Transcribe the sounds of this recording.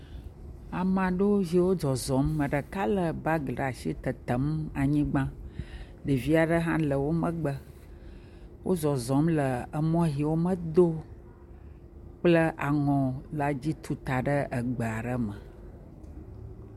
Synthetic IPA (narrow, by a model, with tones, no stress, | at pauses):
a˨mã˨ɖo˦vi˨wo˦d͡ʒɔ˨zɔ˨˦mːə̃˨ɖə˨ka˦lə˨ba˦ɡla˨ʃi˦t̪ə˨t̪ə˨˦ma˨ɲĩ˦ɡ͡bã˦ | ɖə˨vi˦a˨ɖə˦ɦã˦lə˨wo˦mə̃˦ɡ͡bə˦ | wo̰˦zɔ˨zɔ̃˨˦mlə˨ə˨mɔ̃˦ɦi˨wo˦mə̃˦d̪o˦ | k͡plə˦ʔa˨ŋɔ̃˨la˨d͡ʑi˦t̪ʰu˦t̪a˨ɖə˦ʔə˨ɡ͡bə˨a˨ɖə˦mə˨